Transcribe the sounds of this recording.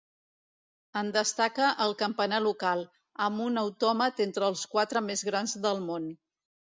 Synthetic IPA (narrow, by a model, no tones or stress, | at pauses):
ənd̪əst̪akəʔəlˠkəmpənalukalˠ | əmunəwt̪ɔmət̪ent̪ɾəːlˠskwat̪ɾəmezɣɾanzðəlˠmon